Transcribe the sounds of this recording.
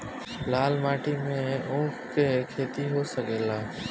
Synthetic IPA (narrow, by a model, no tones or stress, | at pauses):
laːlmaːʈiːmẽːõːkkeːkʰeːt̪iːɦoːsəkeːlaː